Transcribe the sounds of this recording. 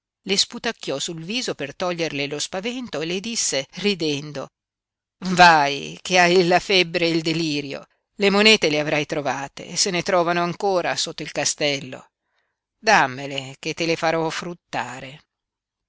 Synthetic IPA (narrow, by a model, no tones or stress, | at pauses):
lesput̪akːjɔsulviːzopert̪ɔʎːerlelospavɛnt̪oeled̪isːerid̪ɛnd̪o | vajkeajlafɛbːɾeild̪eliːɾjo̰ | lemonɛːt̪eleavɾajt̪ɾovaːt̪ḛːsenet̪ɾɔːvanoaŋkoːɾasot̪ːoilkast̪ɛlːo̰ | d̪amːelek̟et̪ːelefaɾɔfɾut̪ːaːɾe